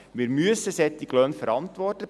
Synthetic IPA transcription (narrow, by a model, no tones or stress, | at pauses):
mɪːɾmyəsəsɛt̪ːiɡlœnfəɾɑntʋɔrtə